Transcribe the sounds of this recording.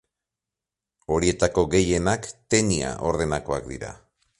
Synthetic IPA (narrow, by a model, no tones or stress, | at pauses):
o̞ɾie̞t̪ako̞ɣe̞je̞nakt̪e̞nia̰ʔo̞ɾð̞e̞nako̞ak̚d̪ḭɾa̰